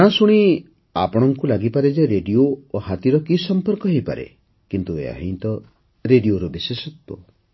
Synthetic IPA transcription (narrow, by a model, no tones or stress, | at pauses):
ãsuɽ̃i | a̰pɔɽ̃ɔŋkulaɡipaɾed͡ʒeɾeɖioohat̪iɾɔkisɔmpɔɾkɔɦejpa̰ɾḛ | kint̪uḛa̰ɦint̪ɔ | ɾeɖioɾubisesɔt̪wɔ̰